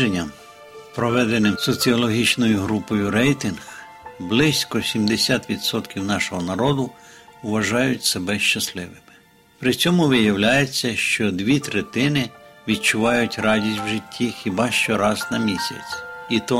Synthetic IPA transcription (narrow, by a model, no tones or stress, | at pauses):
enʲːɐm | pɾɔʋɛd̪enɪmsɔt͡sʲiɔlˠɔɦʲit͡ʃnɔjʊɦɾupɔjʊɾɛjt̪ɪnɣ | blˠɪsʲkɔsʲimd̪esʲat̪ʋʲid̪sɔt̪kʲiwnɑʃɔɦɔnɐɾɔd̪ʊʊʋɐʒɑjʊtʲsebɛʃt͡ʃɐslˠɪʋɪmɪ̥ | pɾɪt͡sʲɔmʊʋɪjɐwlʲajet͡sʲːɐʃt͡ʃɔd̪ʋʲit̪ɾet̪ɪnɪʋʲid̪̚t͡ʃʊʋɑjʊtʲɾɑdʲisʲtʲwʒɪtʲʰːixʲɪbɑʃt͡ʃɔɾɑznɐmʲisʲɐ̰t͡sʲit̪ɔ